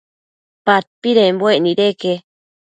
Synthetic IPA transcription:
pat̪̚piɾembweʔniɾeke

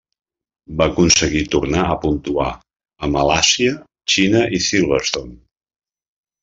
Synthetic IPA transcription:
bakunsəɣit̪urnaəpunt̪ua | əməlasiə | t͡ʃinəʔisilˠβəst̪on

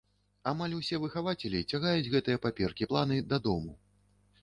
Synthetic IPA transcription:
amalʲusʲɛvɨxavat͡sʲɛlʲit͡sʲaɣajud͡zʲɣɛt̪ɨjɐpapʲɛrkʲiplˠan̪ɨd̪ɐd̪ɔmu

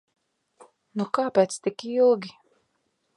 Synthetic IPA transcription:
nukaːpʲeːt̪st̪ikilˠɡʲi

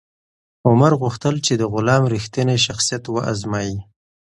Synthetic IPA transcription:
ʊmaɾɣuxt̪əlt͡ʃed̪əɣʊlɑmɾixt̪əneʃaxsijat̪wəʔazmɑji

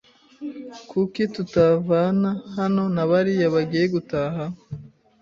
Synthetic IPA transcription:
kukitutavanahano̞naβaɾijaβaɡijeɡutaɦa

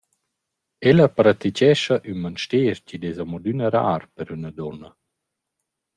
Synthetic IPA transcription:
ɛlapɾat̪icɛʃaʔynmanʃteːɾcid̪ezamɔd̪ynəɾa̰ːɾpəɾynəd̪ɔna

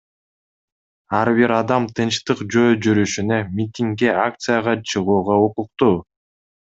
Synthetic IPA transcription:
ɑɾβiɾɑd̪ɑmt̪ʰɨnt͡ʃt̪ɯqd͡ʒøjd͡ʒyɾyʃynømʲit̪ʲiŋkːeak̚t̪sɨjaʁɑt͡ʃʰɯʁuːʁɑuquq̚t̪uː

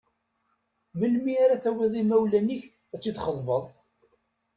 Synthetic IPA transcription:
məlmiaɾaθæwiðˤimæwlæniç | æt͡sːid̪χəðˤvəðˤ

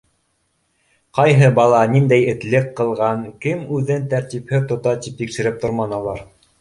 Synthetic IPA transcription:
qɑjɦɤbɑlˠɑnind̪æjɘ̆t̪lɘkːɤ̆lˠʁɑŋkɘmʉðɘnt̪æɾt̪iphɘt̪ŏt̪ɑt̪ip̚t̪ikʃɘ̆ɾɘp̚t̪ŏɾmɑnɑlˠɑɾ

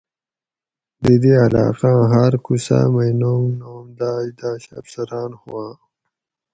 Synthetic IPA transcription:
d̪id̪ealɑ̰ːqãɦaɾkusa̰majnoːmnoːmd̪aːjd̪aːɕa̰fsaɾɑːnhuwãː

